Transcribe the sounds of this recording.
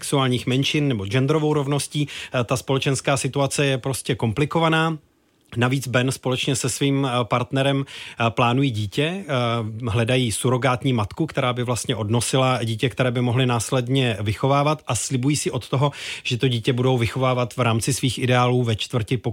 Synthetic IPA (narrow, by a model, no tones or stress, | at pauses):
ksuaːlɲiːxmɛnʃɪnːɛbo̞d͡ʒɛnd̪ɾo̞vo̞wɾo̞vno̞sciːt̪aspo̞lɛt͡ʃɛnskaːsɪt̪uat͡sɛjɛpɾo̞scɛko̞mplɪko̞vanaː | naviːt͡sbɛnspo̞lɛt͡ʃɲɛsɛsviːmpaɾt̪nɛɾɛmplaːnujiːɟiːcɛ | ɦlɛdajiːsuɾo̞ɡaːt̪ɲiːmat̪kukt̪ɛɾaːbɪvlast̪ɲɛʔo̞dno̞sɪlaɟiːcɛk̚t̪ɛɾɛːbɪmoɦlɪnaːslɛdɲɛvɪxo̞vaːvat̪ʔaslɪbujiːsɪʔo̞t̪t̪o̞ɦo̞ʒ̥ɛt̪oɟiːcɛbudo̞wvɪxo̞vaːvat̪vɾaːmt͡sɪsviːxʔɪdɛaːluːvɛt͡ʃt̪vr̩cɪpo